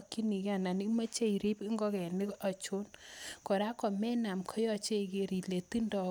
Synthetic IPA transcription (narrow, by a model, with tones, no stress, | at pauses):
ki˦ni˨ka˨na˨ni˦ma˦t͡ʃe˦i˨ɾi˦pɪ˦ŋɡɔ˦kɛ˨nɪ˦ɔ˨t͡ʃʊ˦nkɔ˨ɾa˦kɔ˨mɛ˦na˨mkʰɔ˦jɔ˦t͡ʃe˦˨ke˦ɾi˨le˨ti˦ndɔ˨